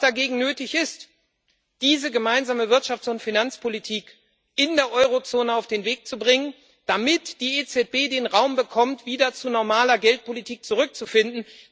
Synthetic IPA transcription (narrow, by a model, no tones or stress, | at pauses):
d̥aɡeːɡŋ̩nøːtɪçɪst | d̥iːzəɡəmaɪnzaːməvɪɐtʃaft͡sʊntfinant͡spʰolitʰiːk | ʔɪndeːɐʔɔʏʁ̞ot͡soːnəaʊfd̥eːnveːk̚t͡subʁɪŋən | d̥amɪtd̥iːeːt͡sɛt̚b̥eːdeːnʁaʊmbəkʰɔmtv̥iːdɐt͡sunɔɐmaːlɐɡɛlt̚pʰolitʰiːk̚t͡suʁʏk̚t͡sufɪndn̩